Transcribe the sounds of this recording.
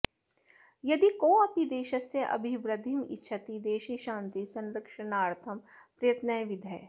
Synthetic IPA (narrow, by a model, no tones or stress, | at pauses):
jɐd̪ikoːɐpid̪eːʃəsːeʔɐ̰bʱibɾɐd̪ʱimɪ̰tːʃʰɐt̪id̪eːʃiʃãːnt̪isɐ̃nɾəkʃənaːɾt̪ʰɐmpɾɐjət̪nəjʋɪd̪ʱɛː